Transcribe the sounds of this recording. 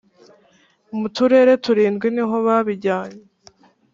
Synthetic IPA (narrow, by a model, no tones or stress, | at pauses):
umutuɾe̞ɾe̞tuɾiːnɡwiniɦo̞βaβiɟaːɲe